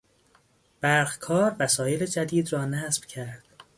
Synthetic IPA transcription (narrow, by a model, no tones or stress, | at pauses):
b̥æɾɣkʰɒːɾvæsɒːje̞led͡ʒæd̪iːd̪rɒːnæsb̥cʰæɾd̪̥